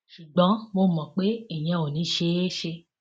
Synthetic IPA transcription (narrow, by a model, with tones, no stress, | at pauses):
ʃu˨ɡ͡bɔ̃˨˦mo˧˨mɔ̃˨k͡pe˦ɛ˨j̃ɛ̃˧o˨nĩ˨˦ʃe˧˦ʃe˧